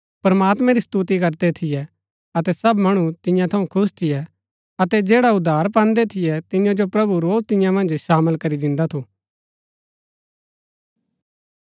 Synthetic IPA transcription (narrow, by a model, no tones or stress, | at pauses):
pɾɐmaːt̪mɛ̃ɾist̪uːt̪̬ikɐɾd̪ɛt̪ʰɪjɛ | ɐt̪ɛsɐbmɐɽ̃ut̪ɪ̃jãt̪ʰɐũkʰʊs̬t̪ʰɪjɛ | ɐt̪ɛd͡ʒeːɽaʊd̪ʱːaːɾpãːnd̪ɛt̪ʰɪjɛt̪ɪjãd͡ʒopɾɐbuɾoːzt̪ɪ̃jãmɐ̃nd͡ʒʃaːməlkɐɾid̪ɪ̃nd̪at̪ʰuː